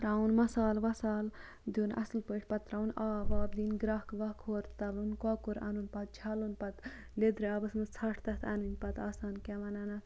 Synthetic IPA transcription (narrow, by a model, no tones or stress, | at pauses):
ɾaunmɐsaːlʋɐsaːl | d̪unʔɐ̰slpəʈʰʲpɐt̪ɾaːunaːʋaːb̚d̪iːnɡɾaɦkʋɐkʰoːɾt̪ɐblunkɔːkuɾɐ̰nunpɐt̪̚t͡ʃʰɐlunpɐt̪ | led̪ɾiaːbɐsmɐt͡sʰɐʈʰt̪ɐt̪ʰɐninʲpɐt̪aːsaːnkʲɛʋɐnɐnɐt̪